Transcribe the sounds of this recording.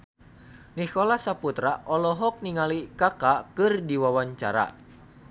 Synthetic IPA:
nikɔlasaput̪ɾaʔɔlɔɦɔk̚niŋalikakakɨrdiwawaɲt͡ʃa̰ɾa̰

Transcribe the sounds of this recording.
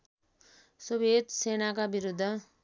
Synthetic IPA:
sobʱet̪senakabiɾud̪ʱːʌ

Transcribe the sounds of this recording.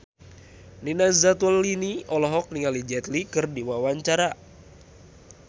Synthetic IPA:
ninazat̪uəlːiniɔlɔɦɔk̚niŋalid͡ʒɛt̪likɨrdiwawaɲt͡ʃaɾa

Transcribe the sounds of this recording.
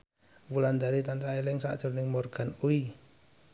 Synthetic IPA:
wuland̪aɾit̪ansaɛlɛŋsa̰d̥ʒ̥ɔ̤rnɪŋmɔrɡ̥anui

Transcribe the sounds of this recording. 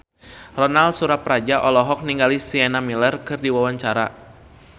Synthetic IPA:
rɔnalsuɾapɾad͡ʒaʔɔlɔɦɔk̚niŋɡalisiɛnamilərkɨrdiwawaɲt͡ʃaɾa

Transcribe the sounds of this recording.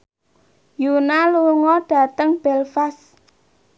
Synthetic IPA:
junaluŋɔɖ̥ä̤t̪əŋb̥ɛlfas

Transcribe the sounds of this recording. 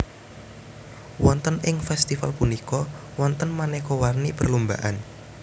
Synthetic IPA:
wɔnt̪ənɪŋfɛst̪ifalpunikɔ | wɔnt̪ənmanɛkowarnipərlumba̰ʔan

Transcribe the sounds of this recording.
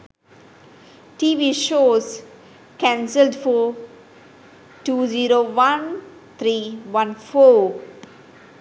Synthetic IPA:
ʈiːʋiːʃoːz | kæ̃nsəlɖfɔ | ʈuːziːɾoːʋãn | t̪ʰɾiːʋʌ̃nfoː

